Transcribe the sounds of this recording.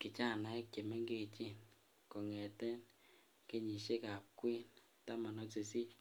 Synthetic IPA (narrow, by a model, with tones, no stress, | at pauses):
kɪ˨t͡ʃa˦˨na˨ɛ˦t͡ʃe˨me˦ŋɡe˦˨t͡ʃi˦n | kɔ˨ŋɛ˨tɛ˦n | ke˦ɲi˨ʃe˦ka˨p̚kwi˦n | ta˦ma˨nɔ˦se˨si˦